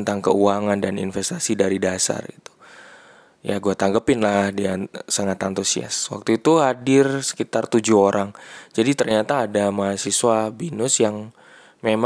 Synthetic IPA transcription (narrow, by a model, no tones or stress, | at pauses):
nt̪aŋkə̰uaŋandanḭnfɛst̪asidaɾidasa̰rɡit̪u̥ | ja̰ɡuat̪aŋɡəpɪnlahdiasaŋat̪ant̪usia̰swa̰k̚t̪uit̪uɦadɪrsə̥kit̪art̪ud͡ʒuɦoɾʔaŋd͡ʒadit̪ərɲat̪aːdamaɦasiswabinʊsjaŋ | mem